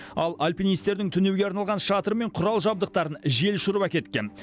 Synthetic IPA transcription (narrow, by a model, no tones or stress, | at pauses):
ɑlˠalʲpʲijnijst̪e̞ɾd̪ɪŋt̪ʰʏnewɡʲe̞ɑɾnɑlˠʁɑnʃɑt̪əɾəme̞ɴqʰʊɾɑlˠʒɑb̚d̪əq̚t̪ɑɾənʒe̞lʃʊɾβɑkʲe̞t̪kʲen